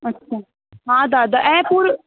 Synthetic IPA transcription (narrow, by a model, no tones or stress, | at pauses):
ətːʃʰaː | ɦãːd̪aːd̪aʔɛ̃ːpʊɾ